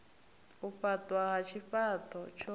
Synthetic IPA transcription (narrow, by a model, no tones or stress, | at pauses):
uɸatʼwaɣat͡ʃʰiɸatʼɔt͡ʃʰɔ